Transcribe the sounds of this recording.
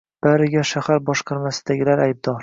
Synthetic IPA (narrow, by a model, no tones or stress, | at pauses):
b̥aɾɪɡʲaʃahaɾbɒʃqʰɑɾmasɪd̪aɡʲɪlaɾajb̚d̪ɒɾ